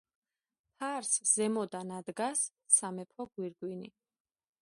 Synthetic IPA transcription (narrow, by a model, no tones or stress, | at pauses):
pʰaɾsz̥ɛmɔd̪anad̪ɡasː | amɛpʰɔɡwiɾɡwini